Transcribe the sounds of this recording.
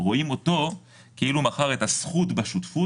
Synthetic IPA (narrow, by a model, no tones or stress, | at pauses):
ʁo̞imo̞to̞ | keilumaχaʁetasχutbaʃutfu